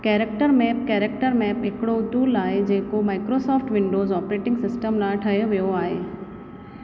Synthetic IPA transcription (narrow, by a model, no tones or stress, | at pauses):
kɛːɾək̚ʈəɾmɛːp̚kɛːɾek̚ʈəɾmɛːpɦɪkɪɽod̪uːlaːɦed͡ʑeːkomaːɪkɾosɔːfʈʋɪ̃ɳɖoːzɔːpɾeːʈɪ̃ŋɡsɪsʈəmlãʈʰɐɦijoʋijoaːɦeː